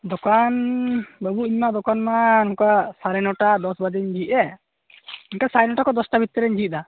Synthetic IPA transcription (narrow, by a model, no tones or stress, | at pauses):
d̪ɔkanbəbuiɲmaʔd̪ɔkanmanukaʔsaɾɛnɔʈad̪ɔsbad̪ɛɲd͡ʒiʔɛ | iɲkasaɾɛnɔʈakɔd̪ɔsʈabʱit̪ːɛɾɛɲd͡ʒiʔ̚d̪a